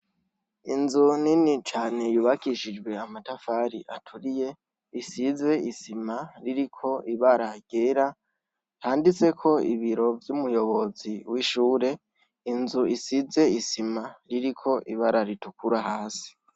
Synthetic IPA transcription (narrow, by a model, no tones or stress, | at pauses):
inzuninit͡ʃaːne̞juːβakiʃid͡ʒɡwe̞amatafaɾiʔatʰuɾije̞ | isize̞isimaɾiɾikʰo̞ʔiβaɾaɡ̥eɾa | haːndit͡se̞kʰo̞ḭβiɾo̞vjumujo̞βo̞ziwiʃuːɾe̞ | inzuisize̞isimaɾiɾikʰo̞ʔiβaɾaɾitukuɾahaːsi̥